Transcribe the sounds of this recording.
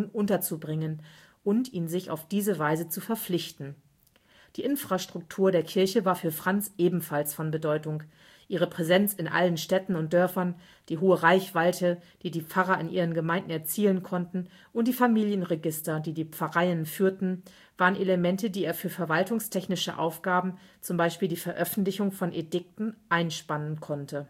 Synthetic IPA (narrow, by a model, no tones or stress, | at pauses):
nʔʊntɐt͡subʁɪŋən | ʔʊntʔiːnzɪça̰ʊfd̥iːzəvaɪzət͡sufɛɐflɪçtn̩ | d̥iːʔɪnfʁ̥aʃtʁ̥ʊk̚tʰuːɐdeːɐkʰɪɐçəvaːɐfyːɐfʁ̥ant͡sʔeːbm̩falsfɔnbədɔʏtʊŋ | ʔiːʁ̞əpʁ̥ɛzɛnt͡sɪnʔa̰lənʃtɛtn̩ʊntd̥œɐfɐn | d̥iːɦoːəʁaɪçv̥aɪtʰəd̥iːdiːp͡faʁɐɪnʔiːʁ̞ənɡəmaɪ̃nd̚n̩ɛɐt͡siːlənkʰɔntn̩ | ʔʊntd̥iːfamiːljənʁeɡɪstɐdiːdiːp͡fɐʁaɪənfyːɐtn̩ | v̥aːʁənʔeləmɛntədiːeːɐfyːɐfɛɐvaltʊŋstʰɛçnɪʃəʔa̰ʊfɡ̥aːbm̩t͡sʊmbaɪʃpiːldiːfɛɐʔœfn̩tlɪçʊŋfɔnʔedɪk̚tn̩ʔaɪnʃpanənkʰɔntʰə